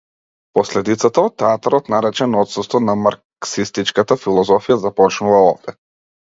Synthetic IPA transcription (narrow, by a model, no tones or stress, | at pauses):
pɔslɛd̪it̪sat̪aɔt̪t̪ːɛat̪aɾɔt̪naɾɛt͡ʃɛnɔt̪sust̪vɔnamaɾksist̪it͡ʃkat̪afilˠɔzɔfijazapɔt͡ʃnuvaɔvd̪ɛ